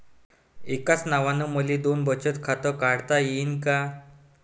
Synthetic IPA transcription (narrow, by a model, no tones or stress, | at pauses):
ekat͡snaʋanəməlid̪onbʱət͡ɕət̪kʰat̪əkaɽt̪ajinka